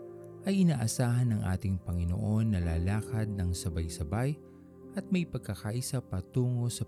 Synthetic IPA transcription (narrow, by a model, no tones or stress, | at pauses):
ʔɐjʔɪnaːʔɐsaːɦɐnɐŋʔa̰ːt̪ɪŋpɐŋɪno̰ʔo̞nːɐlaːlaːkɐd̪̚nɐŋsɐbajsɐbaj | ʔɐt̪̚mɐjpɐɡ̚kʰːɐkaːʔɪsapɐt̪uːŋo̞sɐ